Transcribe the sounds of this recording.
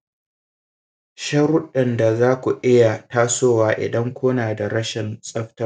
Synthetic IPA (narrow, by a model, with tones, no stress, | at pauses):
ʃɐ˦ɾʊ˦ɗɐ˨nda˨zaː˦kʷu˨ʔɪ˦ja˨taː˦soː˦waː˦ʔɪ̰˨dɐ˦ŋkʷoː˦naː˨da˨ɽɐ˦ʃɪ˨nsʼɐ˦ɸtɐ˦r